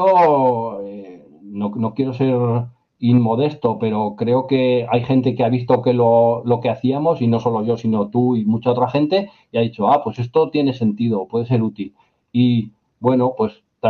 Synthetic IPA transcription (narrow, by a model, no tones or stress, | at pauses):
o | e | nono̞kje̞ɾo̞se̞ɾ | imːo̞ð̞e̞st̪o̞pe̞ɾo̞kɾe̞o̞ke̞ajxe̞nt̪e̞keaβ̞ist̪o̞kelolo̞ke̞aθiamo̞sino̞so̞lo̞ʝo̞sino̞t̪uimut͡ʃao̞t̪ɾaχẽ̞nt̪e̞ | iaðit͡ʃo̞apwe̞se̞st̪o̞t̪je̞ne̞se̞nt̪iðo̞pwe̞ð̞ese̞ɾut̪il | i | bwe̞no̞pwe̞s | t̪a